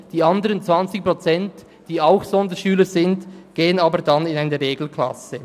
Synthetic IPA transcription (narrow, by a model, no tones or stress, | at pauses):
d̥iːandəʁənt͡sv̥ant͡sɪk̚pʁ̥ot͡sɛnt | d̥iːaʊxz̥ɔndəʃyːləzɪntɡ̥eːənaːbəɾdanɪnaɪnəɾʁeːɡl̩kʰla̰sə